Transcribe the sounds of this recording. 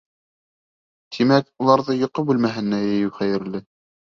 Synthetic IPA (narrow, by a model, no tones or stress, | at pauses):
t̪ʰimækulˠɑɾðɤjŏqɤbʉlmæɦɘ̆nːæjɘ̆jɘwχæjɘ̆ɾlɘ